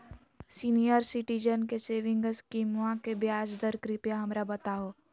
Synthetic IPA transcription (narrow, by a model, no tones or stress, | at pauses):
siːnijəɾsɪʈid͡ʒənkeseːʋɪ̃ŋɡəskiːmʋãkebjaːd͡ʒd̪əɾkɾipjaɦɐmɾabɐt̪aɦoː